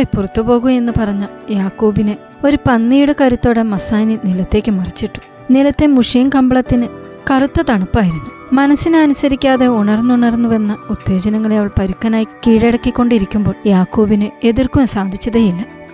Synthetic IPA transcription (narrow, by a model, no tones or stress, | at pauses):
jpurɐt̪ːupo̞ːɣume̞nːɨpɐrɐɲːɐjaːkːoːbinɨ | o̞ɾupɐnːiːɽɨkɐɾut̪ːo̞ːɽemɐsaːninilɐt̪ːe̞ːkʲːɨmɐrit͡ɕːiʈːu̥ | nilɐt̪ːe̞muʂijɐnkɐmbɐɭɐt̪ːinɨ | kɐrut̪ːɐt̪ɐɳɐpːaːjiɾunːu | mɐnɐsːineɐnusɐɾikʲːaːðe̞uɳɐrnːuɳɐrnːuʋenːɐut̪ːe̞ːd͡ʑɐnɐŋːɐɭeɐʋɐɭpɐɾukːɐnaːjikiːɻeɽɐkːikʲːo̞ɳɖiɾikʲːumbo̞ːɭjaːkːoːbinɨe̞ðirkumesaːd̪ʱit͡ɕːɐðejilːɐ